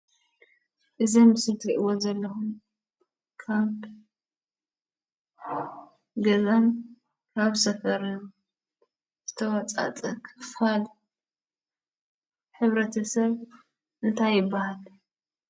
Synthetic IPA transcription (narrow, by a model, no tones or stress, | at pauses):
ʔɨzimɨsɨlt̪ʰkɨʔɨwozɐlːɐxum | kʰaβ | ɡɐzan | kʰaβsɐfɐɾnɐ | z̥ɨt̪ʰɐwɐt͡sʼa̰t͡sʼɐkʰɨfxal | ħɨβɾɐt̪ʰɐsɐβ | ʔɨnt̪ʰajːɪbːahal